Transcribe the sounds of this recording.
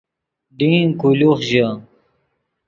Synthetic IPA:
ɖĩkuluχʑa

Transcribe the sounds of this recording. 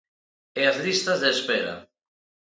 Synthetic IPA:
eazlist̪azðeːspeɾa̰

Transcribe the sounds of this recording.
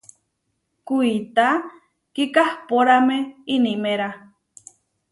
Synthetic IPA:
kuit̪a | kikahpoɾameinimeɾa

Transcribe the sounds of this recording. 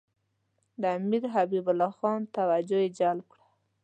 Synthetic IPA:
d̪əamiɾɦabibʊlɑxɑnt̪awad͡ʒojed͡ʒalb̚kɽa

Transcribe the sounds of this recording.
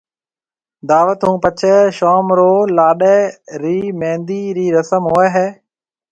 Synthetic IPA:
d̪aːʋət̪ɦũːpət͡ʃʰɛːʃaːmɾoːlaːɗɛːɾiːmẽːnd̪iːɾiːɾəsəmɦoːɛːɦeː

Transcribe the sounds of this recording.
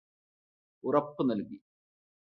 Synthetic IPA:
urɐpːɨnɐlki

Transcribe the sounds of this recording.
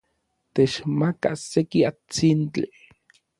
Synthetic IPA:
t̪et͡ʃmakasekiat͡sint͡ɬi

